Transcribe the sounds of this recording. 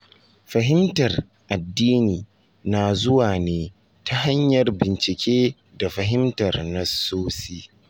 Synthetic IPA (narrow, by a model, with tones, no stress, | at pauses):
ɸɐ˨ɦɪ˦mtɐ˨r | ʔa˨dːiː˦niː˨ | naː˨zʊ˦waː˨neː˦ | tʰa˦ɦa˦ɲjɐ˨rbɪ˨nt͡ʃɪ˨kʲeː˦ | da˨ɸɐ˨ɦɪ˦mtɐ˨rnɐ˦soː˦siː˦